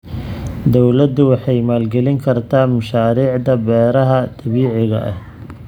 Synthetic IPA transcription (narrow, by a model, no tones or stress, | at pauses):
d̪ɔwlɐd̪ʊwɑħɑjmaːlɡɛlɪŋkʰɐrt̪ʰaːmɐʃaːɾiːʕd̪ɐbɛːɾɐɦɐd̪̥ɐβiːʕɪɣɐ̰ʔɐ̰h